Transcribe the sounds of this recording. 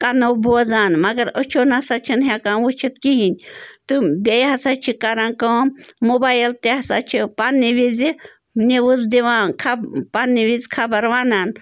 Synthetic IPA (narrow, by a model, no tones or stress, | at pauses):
kanɐwbozaːnmɐɡɐɾət͡ʃʰonasat͡ʃʰinɦakanʋut͡ʃʰit̪kiɦinʲt̪ɨbʲejɦɐsat͡ʃʰikaɾãːnkɐːmmobaːjilt̪eɦɐsa̰t͡ʃʰipanːiʋizi | nʲeʋɨzd̪iʋaːnkʰapanːiʋizʲkʰabɐɾʋaːnaːn